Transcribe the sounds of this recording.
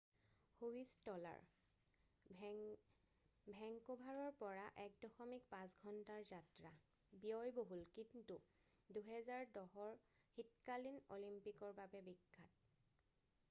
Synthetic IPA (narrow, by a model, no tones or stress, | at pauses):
huwistɔla̰ɹ | bʱɛŋkobʱaɹɔɹpɔɹaʔɛk̚dɔxɔmikpãsɡʱɔntaɹzatɹa | bijɔjboɦulkintu | duɦɛzaɹdɔɦɔɹ | xitkalino̰limpikɔɹbabɛbikːat̚